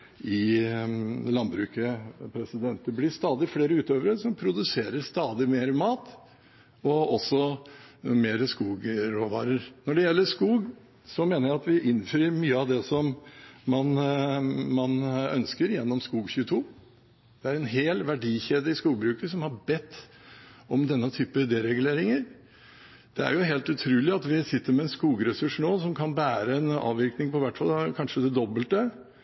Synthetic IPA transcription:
ɪ | lɑnbɾʉːkəpʰɾɛsɪd̪ɛnt̪əblɪst̪ɑːd̪ɪfleːɾəʉːt̪øːʋəɾəsɔmpʰɾʊd̪ʉseːɾəɾst̪ɑːd̪ɪmeːɾmɑːt̪ | ɔɔsːɔ | meːɾəskuːɡɾoːʋɑ̰ːɾəɾnɔɖɛjɛlːəʂkuːɡ | sɔmeːnəɾjæɪɑt̪ʋɪʔɪnfɾiːɾmyːəɑʋd̪ɛsɔmmɑn | mɑnœ̰nskəɾjɛnːɔmskuːɡçʉːt̪ʰuː | d̪̥ɛæɾɛnɦeːlʋæɖiːçeːd̪ɪɪskuːɡbɾʉːkəsɔmhɑɾbɛt̪ː | ɔmd̪ɛnːət̪ʰyːpəd̪ɛɾɛɡʉleːɾɪŋəɾ | d̪̥ɛæ̰ɾjʊɦeːlt̪ʉt̪ʰɾʉːlɪɑt̪ʋɪsɪt̪ːəɾmɛɛnskuːɡɾɛsʉʂnoːsɔmkʰɑnbæːɾəɛnɑ̰ːʋɪɾknɪŋpɔʋæʈːfɑlkʰɑnʂəd̪ɛd̪ɔbəlt̪ə

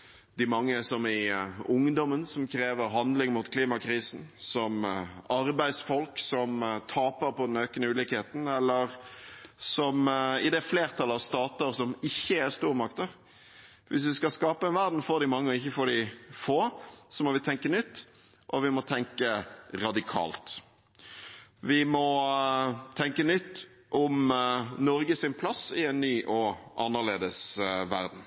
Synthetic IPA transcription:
d̪̥ɪmɑŋːəsɔmɪʊŋd̪ɔmənsɔmkʰɾeːʋəɾɦɑnd̪lɪŋmuːt̪kʰliːmɑkʰɾiːsn̩sɔmɑɾbæɪsfɔlksɔmt̪ʰɑːpəɾpɔd̪ɛnøːkənəʉːlɪkheːt̪n̩ɛlːəɾ | sɔmɪd̪ɛfleːʁt̪ʰɑlːəɑʋst̪ɑːt̪əɾsɔmɪçːəæɾst̪uːɾəmɑkt̪əɾ | ʋɪs̬ʋɪskɑskɑːpəɛnʋæɾʁd̪n̩foːɾd̪ɪmɑŋːəɔɪçːəfoːɖɪfoːsɔmɔʋɪt̪ʰɛŋkənʏt̪ː | ʔɔʋɪmɔt̪ʰɛŋkəɾɑd̪ɪkʰɑ̰ːlt̪ | ʋɪmɔ | t̪ʰɛŋkənʏt̪ː | ʔʊmnɔɾɡəsɪnpʰlɑsɪɛnːyːʔɔʔɑ̰nːəʁlḛːd̪əsʋæ̰ɾd̪n̩

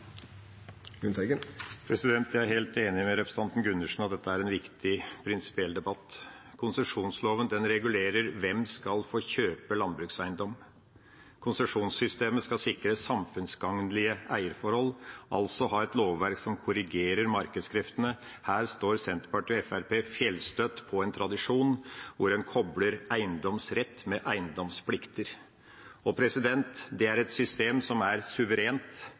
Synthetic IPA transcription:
ʉnt̪ɛɡəpʰɾɛsɪd̪ɛnt̪jæɪæɾheːlt̪eːnɪmɛɾɛpɾə̥sɑnt̪n̩ɡʉnːəʂn̩ɑt̪̚d̪ɛt̪ːəæɾɛnʋɪkt̪ʰɪpʰɾɪnsɪ̥pɪɛld̪ɛbɑt̪ː | kʰʊnsəʂuːnsloːʋənd̪ɛnɾɛɡʉleːɾəɾʋɛmskɑlfoːçøːpəlɑnbɾʉːksæɪnd̪ɔm | kʰʊnsəʂuːnsʏst̪eːməskɑsɪkɾəsːɑmfʉnsɡɑŋnlɪəʔæɪəɾfɔɾhɔlʔɑ̰lsɔɦɑːɛt̪loːʋːæɾksɔmkʰʊɾɪɡeːɾəɾmɑɾkəd̪skʰɾɪft̪ənə | hæːɾst̪oːɾsɛnt̪ɾpɑʈɪɛfæɾpeːfjɛlst̪œt̪pʰɔɛnt̪ʰɾɑd̪ɪʂuːnʋʊɾɛnkʰɔbləɾæɪənd̪ɔmsɾɛt̪ːmɛʔæɪənd̪ɔmspʰlɪkt̪əɾ | ɔpʰɾɛsɪd̪ɛnt̪d̪ɛæɾɛt̪sʏst̪eːmsɔmæɾsʉʋəɾeːnt̪

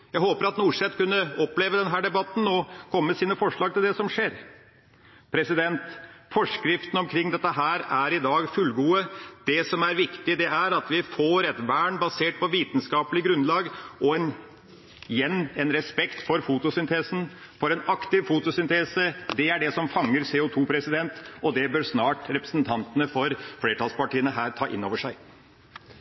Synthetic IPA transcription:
jæhoːpəɾɑt̪nuːʂɛt̪kʉnːəɔpːleːʋəd̪ɛnɦæːɖɛbɑt̪ːn̩ɔkʰɔmːəsiːnəfɔʂɭɑːɡ̚t̪ɪld̪ɛsɔmʂeːɾ | pʰɾɛsɪd̪ɛnt̪fɔʂkɾɪft̪ən̩ɔmkʰɾɪŋːd̪ɛt̪ːəɦæːɾæɾɪd̪ɑːɡfʉlɡuːəd̪̥ɛsɔmæɾʋɪkt̪ɪd̪ɛʔæɾɑt̪ʋɪfoːɾɛt̪ʋæːɳbɑseːʈ̚pʰɔʋiːt̪n̩skɑːpəlɪɡɾʉnlɑːɡʔɔɛn | jɛnːɛnɾɛspɛkt̪fɔɾfuːt̪ʊsʏnt̪ʰeːsn̩ | fɔɾɛnɑkt̪ɪʋfuːt̪ʊsʏnt̪ʰeːsəd̪ɛæɖɛsɔmfɑŋːəɾseːʊt̪ʰuːpʰɾɛsɪd̪ɛnt̪ɔd̪ɛbøːɾsnɑːʈɾɛpɾə̥snt̪ʰɑnt̪ənəfɔɾfleːʈʰɑːlspɑʈiːənəɦæːɾt̪ʰɑːʔɪ̰nːoːʋəʂæɪ

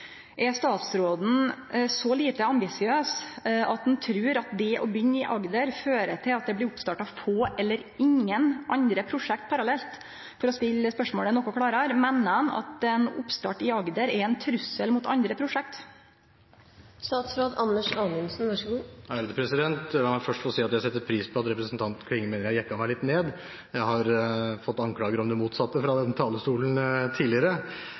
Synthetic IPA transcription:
ʔɛst̪ɑːt̪sɾoːd̪n̩sɔliːt̪əɑmbɪsɪøːsʔɑt̪̚d̪ɛnt̪ʰɾʉːɾɑt̪̚d̪ɛʔɔbʏnːɪʔɑɡd̪əɾføːɾəʈʰɪlɑt̪̚d̪ɛblɪɾʊpst̪ɑːʈɑfoːʔɛlːəɾɪŋənʔɑnd̪ɾəpʰɾʊʂɛk̚t̪̚pʰɑɾɑlɛlt̪ | fɔɾɔspɪlːəspœʂmoːɽənɔkːɔkʰɽɑːɾəɾmɛnːənɑ̰t̪ɛnʊ̰pst̪ɑ̰ːʈɪɑɡd̪əɾɛɾɛnt̪ʰɾʉsːəlmʊt̪ɑ̰nd̪ɾəpʰɾʊʂɛk̚t̪ | st̪ɑːt̪sfɾoːd̪ɑnːəʂɑːnənsnʋɑʂɡuːæɾd̪əpʰɾɛsɪd̪ɛnt̪d̪ɛlɑmæɪfœʂʈfoːsiːɑt̪jæɪsɛt̪ːəɾpʰɾiːspʰɔɑt̪ɾɛpɾəsn̩t̪ʰɑnt̪kʰɽɪŋːəmeːnɾjæɪhjɛkːɑmæɪlɪt̪neːd̪ | jæɪhɑɾfɔt̪ːɑŋkʰlɑːɡəɾɔmd̪ɛmuːt̪sɑt̪ːəfɾɑd̪ɛnt̪ʰɑːləst̪uːln̩t̪ʰiːlɪəɾə

